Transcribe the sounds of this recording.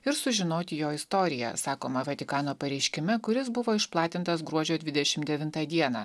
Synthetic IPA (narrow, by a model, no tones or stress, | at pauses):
ɪɾsʊʒʲɪnoːt̪ʲɪjoːɪst̪oːɾʲɪjɛ̰sɑːkoːmɐʋʲɐt̪ʲɪkɑːnoːpɐɾʲɛɪʃʲkʲɪmʲɛkʊɾʲɪsbʊʋoːɪʃplˠɑːt̪ʲɪnt̪ɐsɡɾuɔd͡ʒʲoːd̪ʲʋʲɪd̪ʲɛʃʲɪmd̪ʲɛʋʲɪnt̪ɑːd̪ʲiɛnɑː